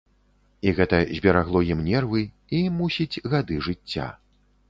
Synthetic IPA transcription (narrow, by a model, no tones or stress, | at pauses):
iɣɛt̪ɐzʲbʲɛɾaɣlˠɔjimnʲɛrvɨ | imusʲid͡zʲɣad̪ɨʐɨt͡sʲːa̰